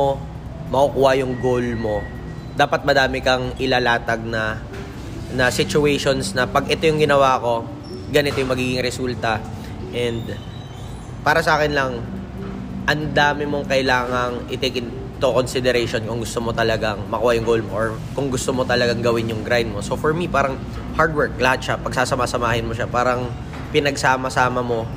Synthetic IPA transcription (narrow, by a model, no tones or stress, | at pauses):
o | mɐkukuːajʊŋɡolmo̞ | d̪aːpɐt̪̚mɐd̪aːmɪkɐŋɪlaːlaːt̪ɐɡ̚nɐ | nɐsɪt͡ʃʊɛjʃo̞nsnɐpɐɡɛt̪o̞jʊŋɡɪnɐwaːko̞ | ɡɐnɪt̪ojʊŋmɐɡiːɡɪŋɾɛsult̪ɐ | ʔɛnd̪ | paːɾɐsɐʔaːkɪnlɐŋ | ʔɐnd̪aːmɪmo̞ŋkɐʔɪlaːŋɐŋʔɪt̪ekɪn | t̪oko̞nsɪd̪ɛɾejʃo̞nkʊŋɡʊst̪omo̞t̪ɐlɐɡaŋmɐkuːhɐjʊŋɡoːlmoʔoɹ | kʊŋɡʊst̪omo̞t̪ɐlɐɡaŋɡɐwɪnjʊŋɡɾajnd̪̚mo̞sofɔɹmipaːɾɐŋ | haɹd̪̚wɛɹk̚lɐhat̪̚ʃapɐɡ̚saːsɐmasɐmaːhɪnmoʃapaːɾɐŋ | pɪnɐɡsaːmɐsaːmɐmo̞